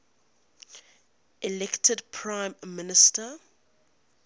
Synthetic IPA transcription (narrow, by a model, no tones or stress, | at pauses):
ʔɛlɛktʰədpʰɹãɪ̃mːɪnɪstə